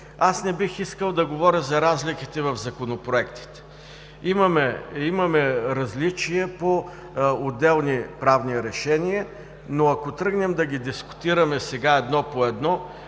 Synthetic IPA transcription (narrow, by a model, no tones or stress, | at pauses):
asnɛbixiskəlˠd̪ɐɡovɔɾjɐzɐɾazlikit̪ɛvɐvzɐkonopɾoɛkt̪i̥t̪ɛ̥ | imɐmɛimɐmɛɾɐzlit͡ʃiɛpo | od̪ɛlˠnipɾavniɾɛʃɛniə | noɐkot̪ɾɤɡnɛmd̪ɐɡid̪iskʊ̥t̪iɾɐmɛsɛɡaɛd̪nɔpoɛd̪nɔ